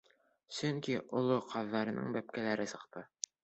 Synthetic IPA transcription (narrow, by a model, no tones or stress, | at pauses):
sɵŋkiʔŏlˠoqʰɑðːɑɾɤ̆nɤ̰ɴbæp̚kælæɾɘsɤ̆qt̪ɤ